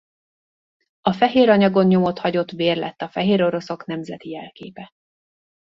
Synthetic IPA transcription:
ɒfɛɦeːɾɒɲɒɡo̞nɲo̞mo̞t̪hɒɟo̞t̪beːrlɛ̰t̪ːɒfɛɦeːɾo̞ɾo̞so̞knɛmzɛt̪ijɛlkḛːpɛ

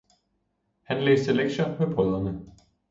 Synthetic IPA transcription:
hænlḛːsd̥əleɡ̥ɕɐmepʰʁɔðˠɐnə

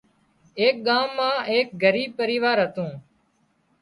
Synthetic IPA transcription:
eːk̚ɠaːmːãːeːk̚ɡʱəɾiːb̚pəɾiːʋaːɾɦət̪ũː

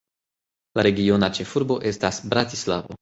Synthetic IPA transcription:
laɾeɡʲionat͡ʃefuɾboʔest̪asbɾat̪isla̰vo̰

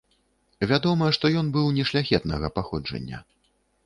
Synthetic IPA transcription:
vʲad̪ɔmɐjɛʂt̪ɔjɔnbɨwnʲɛʂlʲaxʲɛt̪nɐɣɐpaxɔd͡ʐɐ̰nʲːɐ̰

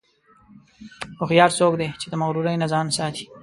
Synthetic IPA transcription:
ʊxjɑːɾsok̚d̪et͡ʃed̪əmaɣɾuɾajnazɑnsɑːt̪ʰi̥

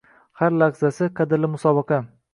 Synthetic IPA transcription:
haɾlaʁzasɪqʰɑd̪ɪɾlɪmʊsɒbɨqɑ

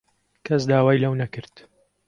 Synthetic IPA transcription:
kʰɐs̬d̪aːwaːjlɐwnɐkɨɾt̪

